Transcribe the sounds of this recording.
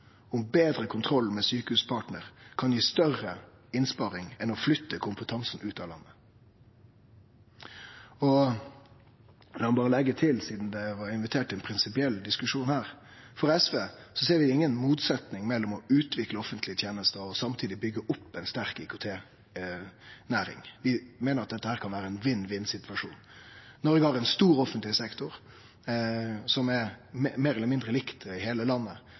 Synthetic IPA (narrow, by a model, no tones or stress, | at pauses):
ʊmbeːd̪ɾəkʰʊnt̪ʰɾɔlmɛsyːkəhʉːspʰɑːʈnəɾkʰɑnjiːst̪œrəɪnspɑɾɪŋɛnɔflʏt̪ːəkʰʊmpət̪ʰɑŋsn̩ʉːt̪ɑːlɑ̰nːə | ɔ | nɔmɑnbɑːɾəlɛɡːət̪ʰɪlsiːd̪nd̪ɛʋɑɾɪnʋɪt̪ʰeːʈɪɛnpʰɾɪnsɪpɪɛld̪ɪskʉʂuːnhæːɾ | fɔɾɛsʋeːsɔseːɾʋɪɪŋːənmuːt̪sɛt̪nɪŋmɛlːɔmɔʉːt̪ʋɪkləɔfənt̪lɪət̪ʰjeːnəst̪əɔsɑmt̪ʰiːd̪ɪbʏɡːəʔʊpːɛnst̪æɾkɪkʊt̪ʰeː | næːɾɪ̰ŋʋɪmeːnəɾɑt̪̚d̪ɛt̪ːəhæːɾkʰɑnʋæːɾəɛnʋɪnːʋɪnːsɪt̪ʋɑʂṵːnːɔɾʋɪɡhɑɾɛɪnst̪uːɾɔfənt̪lɪsɛkt̪ʊɾ | sɔmɛmmeːɾɛləmɪnd̪ɾəlɪkt̪ɪheːləlɑnːə